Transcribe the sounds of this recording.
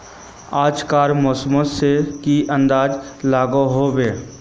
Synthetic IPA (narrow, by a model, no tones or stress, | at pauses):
aːd͡ʒkaːɾmɔːsəmõsekiʔə̃nd̪aːd͡ʒlaːɡoɦobeː